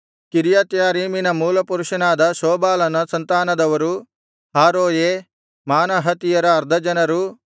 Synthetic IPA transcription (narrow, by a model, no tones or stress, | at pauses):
kiɾjat̪jaːɾiːminɐmuːlɐpuɾuʃɐnaːd̪ɐsoːbaːlɐnɐsɐnt̪aːnɐd̪ɐʋɐɾu | ɦaːɾoːjeː | maːnɐɦɐt̪ijɐɾɐːɾd̪ʱɐd͡ʒɐnɐɾu